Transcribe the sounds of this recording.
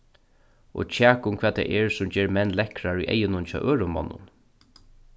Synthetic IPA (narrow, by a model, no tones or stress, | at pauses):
ɔ̰t͡ɕʰæːkʊmkʰvɛːt̪t̪ʰɛ̰ːʔɛɹsʊmd͡ʑeːɹmɛnːlɛkɾaɹṵjʔɛ̰jɪnʊnt͡ʃʰɑ̰ːʔøːɹʊmɔ̰nːʊ̰n